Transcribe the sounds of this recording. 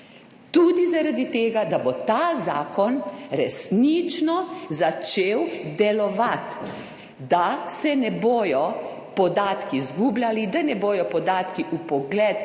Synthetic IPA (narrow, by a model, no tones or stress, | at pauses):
t̪uːd̪izaɾad̪it̪eːɡad̪abot̪azaːkɔnɾɛsnit͡ʃnɔzat͡ʃeːwd̪ɛlɔʋat̪ | d̪asɛnɛboːjɔ | pɔd̪aːt̪kizɡuːblʲjalid̪anɛboːjɔpɔd̪aːt̪kiʔupɔɡlɛt̪